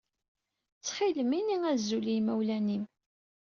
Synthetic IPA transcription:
t͡sːχiləminiŋæzːulimæwlænim

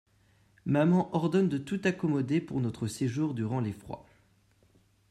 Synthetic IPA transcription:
mamɑ̃ʔɔʁd̪ɔnd̪ət̪ut̪akɔmɔd̪epuʁnɔt̪χəseʒuʁd̪yʁɑ̃lefχwa̰

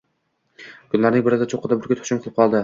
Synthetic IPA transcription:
kʰʊnlaɾnɪŋbɪɾɪsd̪at͡ʃʰoqːɨd̪abʊɾkʲat̪ʰʊ̥ʃɪmqʰɨlˠɪp̚qʰɒlˠd̪ɪ

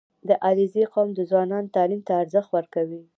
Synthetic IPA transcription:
d̪əʔɑɾizeqomd̪əzwɑnɑnt̪ɑlimt̪aːɾzəxt̪wəɾkawi

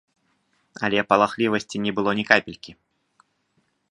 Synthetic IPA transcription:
ɐlʲɛpɐlˠaxlʲivɐsʲt͡sʲinʲɛbɨlˠɔnʲɛkapʲilʲkʲi

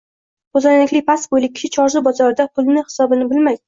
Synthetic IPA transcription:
kozanlɪkʲlɪpasbojlɪk̚ʲʰːɪ̥ʃɪt͡ʃʰɒɾzɪbɒzɒɾɪd̪akʰʊlˠnɪhɪ̥sɒbɪnɪbɪlmajd̪ɪ

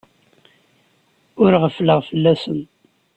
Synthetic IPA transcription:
ʊɾʁəfləʁfəlːæsən

